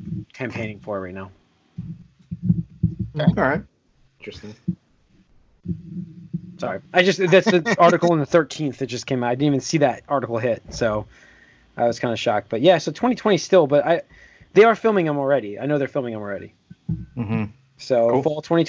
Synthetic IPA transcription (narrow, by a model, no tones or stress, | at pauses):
kʰæ̃mpʰẽɪ̃ñɪ̃ŋfə˞ɹaɪnaʊ | ɹaɪt̚ | ɪ̃nt͡ʃɹ̥ɨstɪ̃ŋ | sɑ̰ɹiʔaɪd͡ʒʌstðætsðɨɑɹɾɨkl̩ˠə̃nðɨθɜ˞tʰĩnθðɨt̚ʌskʰẽɪ̃maʊaɪɪn̩ivɨ̃nsiðɨt̚ɑɹɾɨkl̩ˠɦɪt̚soʊ | ʔaɪwʌz̥kʰãɪ̃ndɨʃɑk̚b̥ʌt̚jæsoʊtʰɛ̃ɾ̃itʰw̥ɛ̃ɾ̃istɪlˠbʌɾaɪ | ðeɪə˞fɪlˠmɪ̃ŋə̃ml̩ˠɹɛɾia̰ɪnoʊðə˞fɪlˠmɪ̃ŋə̃ml̩ˠɹɛɾḭ | m̥m̩ | soʊfɔlˠtʰwɛ̃ñi